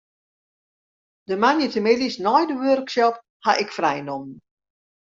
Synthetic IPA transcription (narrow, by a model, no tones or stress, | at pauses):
dəmanjətəmɪdisnɔjdəʋørksɔp | haʔɪkfrɛjnɔmən